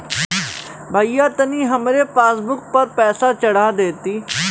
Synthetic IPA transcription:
bʱaːijaːt̪ənĩːɦəmɾeːpaːsbʊk̚pəɾpɛːsaːt͡ʃəɽaːd̪eːt̪iː

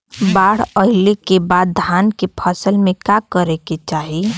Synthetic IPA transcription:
baːɽəɦɪlekebad̪̚ːʱaːnkepʰəsəlmẽkakəɾeket͡ʃaːɦi

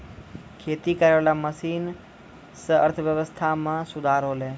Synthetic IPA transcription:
kʰeːt̪ikəɾʋelaməsin | səə̰ɾt̪ʰəʋjəʋəst̪ʰamãsʊd̪ʱaɾole

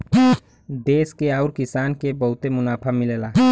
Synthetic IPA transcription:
d̪eːskeaʊɾkisaːnkebəɦʊt̪emʊnaːpʰamileːla

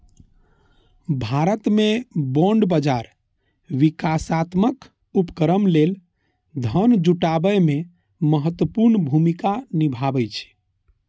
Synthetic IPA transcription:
bʱaɾət̪mebɔɳɖbəd͡ʒaɾ | ʋikasat̪mək | upkəɾəmlel | d̪ʱənd͡ʒuʈabəjme | məɦət̪wəpuɾnbʱumikanibʱabət͡ʃʰɛ̥

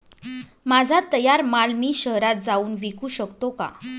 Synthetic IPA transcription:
mad͡zʱat̪əjaɾmalmiːɕəɦɾat̪̚d͡zauːnʋikʰuːɕəkt̪oka̰

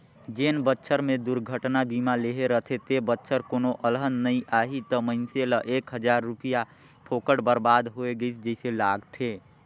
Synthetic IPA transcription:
d͡ʒeːnbətːʃʰəɾmẽd̪ʊɾɡʱəʈnabiːmaleɦeɾət̪ʰet̪ʰebətːʃʰəɾkoːnoʔəlɦənːəĩʔaːɦit̪əməɪnseləʔeːkɦəd͡ʒaːɾːʊpija | pʰoːkəɽbəɾbaːd̪ɦoeɡəit̪ʰd͡ʒəɪselaːɡt̪ʰeː

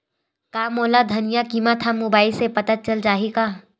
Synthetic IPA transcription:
kaːmoːlad̪ʱɐnijakimat̪ʰamoːbaːisepɐt̪at͡ʃɐld͡ʒaːɦika

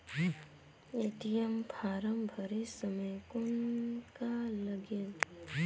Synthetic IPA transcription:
eʈijəmpʰaːɾəmbʱəɾesəməjkʊnkaləɡel

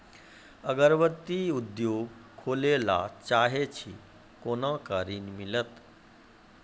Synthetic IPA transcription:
əɡəɾʋət̪iːud̪joɡkʰolela̰t͡ɕaɦet͡ɕʰḭ | konãkaɾiːnmilət̪

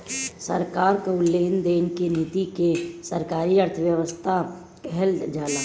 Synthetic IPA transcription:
sə̰ɾkaːɾkaʊlːeːnd̪eːnkenit̪ikesəɾkaːɾiəɾt̪ʰəʋjəʋəst̪ʰa | kɛɦeld͡ʒaːlaː

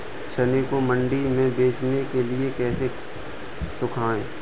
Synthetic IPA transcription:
t͡ʃʰɐnekomə̃ɳɖimẽbeːt͡ʃʰnekelɪekɛːse | sʊkʰaːẽː

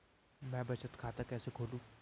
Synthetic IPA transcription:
mɛ̃ːbɐt͡ʃət̪kʰaːt̪akɛːsekʰoːlũː

